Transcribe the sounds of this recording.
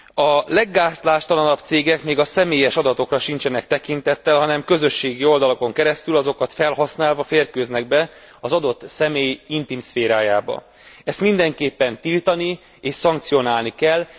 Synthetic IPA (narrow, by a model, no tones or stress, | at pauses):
ɒlɛɡːaːrt̪laːʃt̪ɒlɒnɒbt̪seːɡɛkmeːɡɒsɛmeːjɛʃɒd̪ɒt̪o̞krɒʃint͡ʃɛnɛkt̪ɛkint̪ɛt̪ːɛlɦɒnɛmkø̞zø̞ʃːeːɡio̞ld̪ɒloko̞ŋkɛɾɛst̪ylɒzo̞kɒt̪fɛlɦɒsnaːlvɒfeːrkøːznɛɡbɛ | ɒzɒd̪o̞t̪ːsɛmeːjint̪imsfeːɾaːjaːbɒ̰ | ɛst̪mind̪ɛŋkeːpːɛnt̪ilt̪ɒni | eːʃsɒŋk̚t̪sio̞naːlnikɛlː